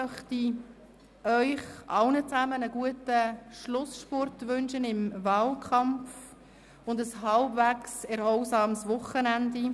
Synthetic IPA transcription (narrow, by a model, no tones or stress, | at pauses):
mœχti | œʏχʔɑ̰ʊnət͡sæmənəɡ̥uətəʃlʊsʃpɔrtʋʏnʃənɪmvɑːlkʰɑmf | ʊndəsɦɑlbvæksɛɾhɔʊsɑːmsʋʊχːənændi